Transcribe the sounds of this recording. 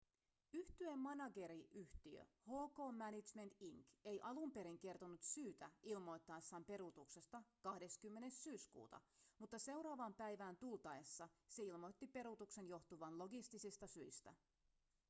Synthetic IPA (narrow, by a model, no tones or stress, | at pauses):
yht̪yemːɑnɑɡe̞ɾiʔyht̪iø̰ | ho̞ːko̞ːmːænit͡ʃme̞nt̪iŋke̞jʔɑlumpe̞ɾiŋk̟e̞rt̪o̞nut̪syːt̪æilmo̞jt̪ːɑesːɑːmpe̞ɾut̪ukse̞st̪ɑkɑhde̞skymːe̞ne̞sːyːskṵːt̪ɑ̰mut̪ːɑse̞wɾɑːʋɑmpæjʋæːnt̪ult̪ɑesːɑse̞ilmo̞jt̪ːipe̞ɾut̪ukse̞njo̞xt̪uʋɑnlo̞ɡist̪isist̪ɑsyist̪æ̰